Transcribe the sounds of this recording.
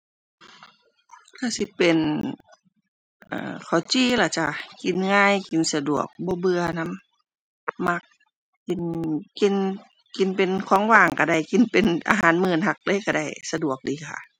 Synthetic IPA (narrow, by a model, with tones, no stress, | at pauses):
k̪ʰa˧˩si˧˦pe˨n | ʔa̰ː˧˩kʰa˨˩wt͡ɕiː˧˩la˧˩t͡ɕa˧˩ki˨˩nŋaː˧˥˨jki˨nsa˧du˨˩ək̚bɔː˧˦bɯ˧ɐna˧˥˨mː | a˧˩k̚ː | i˨˧˩nki˧n | ki˨˩npe˨nkʰɔː˧˥˦ŋwaː˧˩ŋka˧˩da˧˩jki˨npe˨nʔa̰ː˧ɦaː˧˦nmɯː˧˩˨nha˧˩k̚lɤː˧˥˨ka˧˩da˧˩jsa˧du˨˩ək̚diː˧˦kʰa̰˧˩